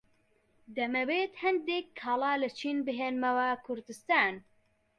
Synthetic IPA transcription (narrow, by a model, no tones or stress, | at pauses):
d̪ɛmɛbeːt̪hɛnd̪eːkʰːɑːlaːlɨt͡ʃʰiːnbɨɦeːnmɛwakʰʊɾd̪ɨst̪aːn